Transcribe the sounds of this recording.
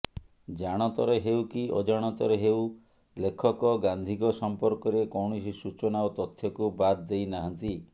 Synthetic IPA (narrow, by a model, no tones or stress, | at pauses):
d͡ʒaɽ̃ɔt̪ɔɾeɦewkiʔo̰d͡ʒaɽ̃ɔt̪ɔɾeɦew | lekʰɔkɔɡand̪ʱikɔsɔmpɔɾkɔɾekɔwɳɔsisut͡ʃɔnaut̪ɔt̪ʰːjɔkubad̪d̪ejnaɦant̪i